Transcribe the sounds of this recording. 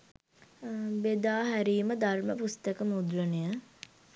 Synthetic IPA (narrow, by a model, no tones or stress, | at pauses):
bed̪aːɦæɾiːməd̪ʱarməpust̪əkəmud̪ɾənəjə